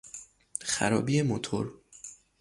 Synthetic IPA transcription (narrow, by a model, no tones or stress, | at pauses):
χæ̰ɾɒ̰ːbiːemot̪ʰo̰ɾ